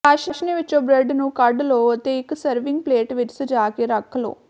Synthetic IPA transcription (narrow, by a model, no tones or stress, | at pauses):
aʃɐʃniʋit͡ʃːoːbɾeɖnukɐɾɖloːt̪ejksɐɾʋiŋɡ̚pleːʈʋiʈsud͡ʒaːkiɾɐkʰːɐlo̰ː